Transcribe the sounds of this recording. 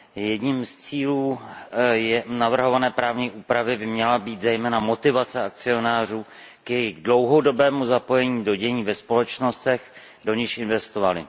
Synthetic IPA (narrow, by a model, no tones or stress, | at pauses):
jɛdɲiːmst͡siːluː | jɛnavr̩ɦo̞vanɛːpɾaːvɲiʔuːpɾavɪbɪmɲɛlabiːt̪zɛjmɛːnamo̞t̪ɪvat͡sɛak̚t͡sɪo̞naːr̝uː | kjɛjɪɣɡdlo̞wɦo̞do̞bɛːmuzapo̞jɛɲiːdo̞ɟɛɲiːvɛspo̞lɛt͡ʃno̞st̪ɛx | do̞ɲɪʃɪnvɛst̪ovalɪ̰